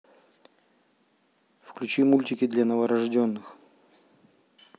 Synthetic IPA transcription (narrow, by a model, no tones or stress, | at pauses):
fklʲʉt͡ɕimulʲtʲɪkʲɪd̪lʲanəvəɾɐʐdʲonːɨx